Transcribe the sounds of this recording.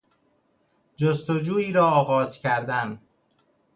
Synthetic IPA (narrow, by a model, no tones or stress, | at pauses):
d͡ʒost̪od͡ʒuːiːɾɒːɒːɣɒːzcʰæɾd̪æn